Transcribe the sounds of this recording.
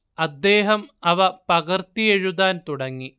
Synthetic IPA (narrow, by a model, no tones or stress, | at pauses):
ɐd̪ːeːɦɐmɐʋɐpɐɣɐrt̪ieɻuðaːnt̪uɽɐŋːi